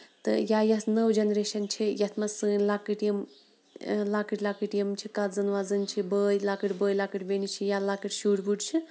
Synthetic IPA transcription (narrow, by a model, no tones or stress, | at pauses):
t̪ɨ̰jajɐt̪nəwd͡ʒɐnɾeːʃɐnt͡ʃʰijɐt̪ʰmɐsɨːnlaːkɨʈjɐm | laːkɨʈlaːkɨʈjɐmt͡ʃʰikat̪zɐnʋaːzɐnt͡ʃʰibəːjlaːkɨʈbəːjlaːkɨʈʲbenit͡ʃʰijalaːkɨʈʃuːɽbuʈt͡ʃʰi